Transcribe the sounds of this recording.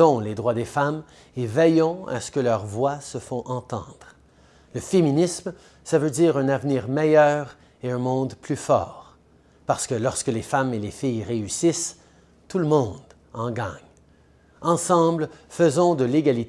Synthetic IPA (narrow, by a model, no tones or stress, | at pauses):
ɔ̃led̪ʁwad̪efam | evɛjɔ̃a̰sə̥kəlœʁvwasəfɔ̃ʔɑ̃t̪ɑ̰̃ːd̪ʁ | ləfeminism | savød̪iːʁɛ̃navniːʁmɛjœːʁ | eɛ̃mɔ̃d̪plyfɔ̰ːʁ | paʁsə̥kəlɔʁskəlefamelefijʁeysis | t̪uləmɔ̃d̪ | ɑ̃ɡaɲ | ɑ̃sɑ̃ːblfəzɔ̃d̪əleɡalit̪